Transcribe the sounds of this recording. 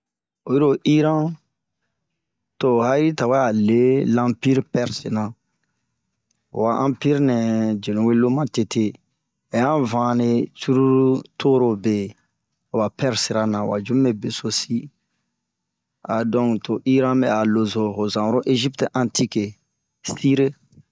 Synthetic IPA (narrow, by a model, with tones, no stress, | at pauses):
o˨ju˦ɾo˦ʔi˦ɾã˦ | to˨ha˦ɾi˦ta˨wa˦a˨le˦lã˦pi˦ɾpɛ˦ɾse˨nã˨ | wa˨ʔã˦pi˦ɾnɛ̃˨d͡ʒe˨lũ˨we˦lo˦mã˦te˨tʰe˦ | e˨jã˦vã˦ne˨t͡ʃu˦ɾu˦tʰo˦ɾo˨be˨ | o˨ba˨pɛ˦ɾsi˨ɾa˦nã˨wa̰˨d͡ʒũ˦me˨be˨so˦si˦ | a˨dɔ̃˦˨kto˨ʔi˦ɾã˦bɛ˨a˨lo˨zo˨ɦo˨zã˨ɾo˦ʔe˦ʒi˦ptʔã˨nti˦ke˨ | sti˦ɾe˦